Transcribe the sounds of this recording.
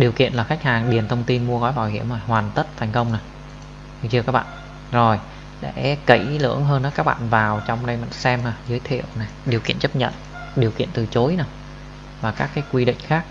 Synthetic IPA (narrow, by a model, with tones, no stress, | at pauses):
ɗi˨˩əwkḭ˧˨ənlaː˨˩xa˦˥k̚haː˨˩ŋɗi˨˩ənt̪ʰə˧wŋ͡mt̪i˧nmu˧əɣɔ˨˦jvaː˨˩whi˧˩əmzo˨˩jhwaː˨˩nt̪ə˦˥t̚t̪ʰa˨˩jŋ̟kə˧wŋ͡mna˨˩j | t͡ɕkaː˦˥k̚ɓa̰ː˧˨ | zo˨˩j | ɗe˧˩kə̰˧˩jlɨ̰˧˥əŋɦəː˧nːɔ˨˦kaː˦˥k̚ɓa̰ː˧˨nvaː˨˩wt͡ɕɔ˧wŋ͡mɗə˧jma̰˧˨ŋsɛ˧maː˨˩zəː˨˦jt̪ʰḭ˧˨əwna˨˩jɗi˨˩əkḭ˧˨ənt͡ɕə˦˥p̚ɲə̰˧˨n | ɗi˨˩əwkḭ˧˨ənt̪ɨ˨˩t͡ɕo˨˦jna˧˩ | vaː˨˩kaː˦˥kːaː˨˦jkwi˧ɗḭ̈˧˨ŋ̟xaː˦˥k̚